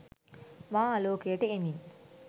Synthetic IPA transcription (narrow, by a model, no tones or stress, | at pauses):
maːloːkejəʈəemin